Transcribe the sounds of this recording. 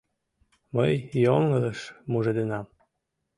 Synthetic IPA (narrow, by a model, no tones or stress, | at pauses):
məjjoŋɤləʃmuʒed̪enɑm